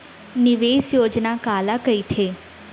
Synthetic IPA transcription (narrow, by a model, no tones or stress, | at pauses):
nɪʋesjoːd͡ʒnakaːlakəit̪ʰe